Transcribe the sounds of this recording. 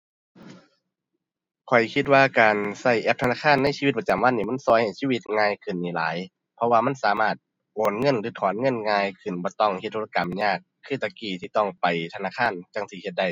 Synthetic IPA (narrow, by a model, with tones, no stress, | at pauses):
kʰɔ˨˩jkʰi˧t̪̬̚waː˧kaː˨˩nsa˧˩jʔɛ˧p̚t̪ʰnaː˧˥˩kʰaː˧˥˨nːa˧˥˨si˧i˧t̪̚pa˧˨t͡ɕa˨mwa˧˥˨nːiː˧˩ma˧˥˨nsɔː˧˩jha˨˩jsiː˧˥˨wi˧t̪̚ŋaː˧jkʰɯ˧˩˨nːiː˨˩la̰ː˨˦j | pʰɔ˧waː˧ma˧˥˨nsaː˨˦maː˧˩t̪̚ | ʔoː˨˩nŋɤ˧˥˨nlɯː˨˦t̪ʰɔː˨˦nŋɤ˧˥˨nŋaː˧jkʰɯ˧˩nbɔː˧˦t̪ɔ˧˩ŋhe˧t̪ːʰo˧ka˨mɲaː˧˩kʰːɯː˧˩t̪a˧kiː˧˩t̪ʰiː˧˩t̪ɔ˧˩ŋpa˨˩jt̪ʰa˧naː˧˥˨kʰaː˧˥˨nt͡ɕa˧˩ŋsiː˧˩he˧t̪̚da˧˩j